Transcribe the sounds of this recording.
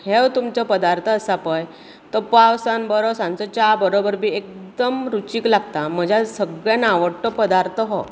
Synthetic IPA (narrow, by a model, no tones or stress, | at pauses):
hewt̪umt͡səpəd̪aɾt̪ʰəːsapəj | t̪əpawsanbəɾɔsãnt͡sɔt͡ɕabəɾobəɾbʱiːek̚d̪əmɾut͡ɕiːklaɡt̪am̤əd͡ʑʱasəɡɭjanaʋəɽʈːɔpəd̪aɾt̪ʰəɦɔ